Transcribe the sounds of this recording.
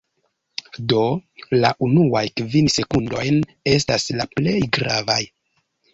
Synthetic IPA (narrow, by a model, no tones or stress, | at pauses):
do̞laʔunuajkvinse̞kundo̞jn | e̞s̬taslaple̞jɡɾavaj